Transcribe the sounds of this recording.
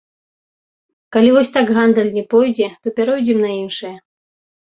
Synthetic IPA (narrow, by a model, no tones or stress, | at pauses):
kalʲivɔsʲt̪aɡɣand̪ɐlʲnʲɛpɔjd͡zʲɛt̪ɔpʲaɾɔjd͡zʲɛmnɐinʂɨjɐ